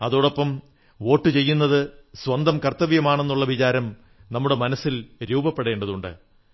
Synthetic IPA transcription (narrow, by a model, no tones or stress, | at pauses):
ɐðoːɽopːɐm | o̞ːʈːɨt͡ɕe̞jːunːɐðɨswɐnd̪ɐmkɐrt̪ːɐʋijɐmaːɳe̞nːuɭːɐʋit͡ɕaːɾɐm | nɐmːuɽe̞mɐnɐsːilɾuːbɐpːeɽe̞ːɳɖɐðuɳɖɨ̰